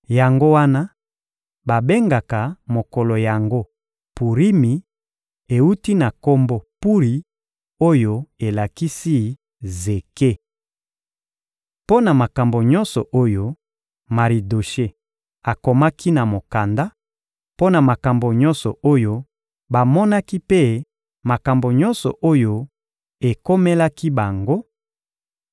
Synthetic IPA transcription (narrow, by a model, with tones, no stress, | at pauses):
ja˨ŋɡo˦wa˦na˦ | ba˨be˦ŋɡa˨ka˨mo˨kɔ˨lɔ˨ja˨ŋɡo˦ | pu˨ʁi˦mi˨ | e˨u˦ti˦na˨ko˦mbɔ˦pu˦ʁi˨ | o˦jo˦e˨la˨ki˦si˦ | ze˨ke˦ | po˦na˨ma˨ka˨mbo˨ɲɔ˦nsɔ˨ʔo˦jo˦ | ma˨ʁi˨do˨ʃe˦ | a˨ko˨ma˦kʰi˦na˨mo˨ka˨nda˦ | po˦na˨ma˨ka˨mbo˨ɲɔ̃˦nsɔ˨o˦jo˦ | ba˨mɔ˦na˦ki˦pe˦ | ma˨ka˨mbo˨ɲɔ˦nsɔ˨ʔo˦jo˦ | e˨ko˦me˦la˦ki˦ba˨ŋɡo˦